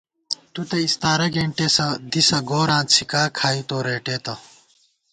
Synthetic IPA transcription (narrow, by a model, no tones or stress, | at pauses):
t̪ut̪ɐist̪aːɾɐɡeɳʈeːsɐd̪isɐɡoːɾãːnt͡sʰikaːkʰaːit̪oːɾeːʈeːt̪ɐ